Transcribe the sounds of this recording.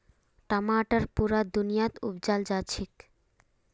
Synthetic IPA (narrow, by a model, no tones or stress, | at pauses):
ʈamaːʈaɾpuɾad̪unijat̪ṵbd͡ʑald͡ʑat͡ɕʰik